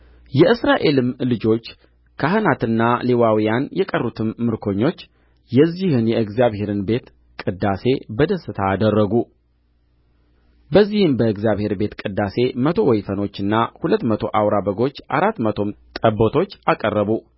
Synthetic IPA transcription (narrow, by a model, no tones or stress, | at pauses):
jɛʔɨsɾaʔe̞lɨmlɨd͡ʒo̞t͡ʃː | kʰahɨnat̪ɨnːalewawijanjɛkʼərːut̪ʰɨmːɨɾkʰo̞ɲːo̞t͡ʃː | jɛzːihɨnjɛɨɡzijaβhe̞ɾɨnbe̞t̪ | kʼɨd̪ːase̞bəd̪əsːɨt̪ʰaːd̪ərːəɡu | bəzːihɨmbəɨɡzjaβhe̞ɾbe̞t̪kʼɨd̪ːase̞mət̪ʰo̞wɔjfəno̞t͡ʃːɨnːahulət̪ːmət̪ʰo̞ʔawɾabəɡo̞t͡ʃːʔaɾat̪ːmət̪ʰo̞mt̪ʼəbːot̪ʰo̞t͡ʃːakʼərːəβu